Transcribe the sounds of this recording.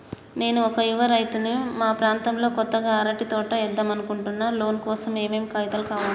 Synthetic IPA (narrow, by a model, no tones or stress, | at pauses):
ne̞ːnuɔkɐiʋɐɾɐjt̪unimaːpɾaːnt̪ɐmlo̞ːkɔt̪ːɐɡaːɐɾɐʈit̪ɔːʈɐɛd̪ːɐmɐnukuɳʈunːaːlo̞ːnkɔːsɐme̞ːmeːmkɐjt̪ɐlkaːʋɐn